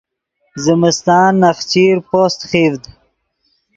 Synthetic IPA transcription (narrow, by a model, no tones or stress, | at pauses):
zɪmɪst̪ɑːnːɐχt͡ɕiːɾpost̪χiːvd̪